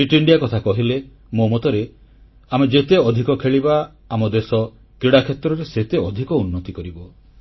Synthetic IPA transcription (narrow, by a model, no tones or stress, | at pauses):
ɾiʈiɳɖijakɔt̪ʰakɔɦile | momot̪ɔɾe | amed͡ʒet̪eɔd̪ʱikɔkʰeɭibaː | mɔd̪esɔ | kɾiɽakʰet̪ɾɔɾeset̪eɔd̪ʱikɔunːɔt̪ikɔɾibɔ